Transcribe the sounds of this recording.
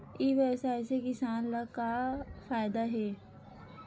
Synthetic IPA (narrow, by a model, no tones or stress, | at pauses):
iːʋeːsaːɪsekɪsaːnlɐkafaːjd̪aɦɛː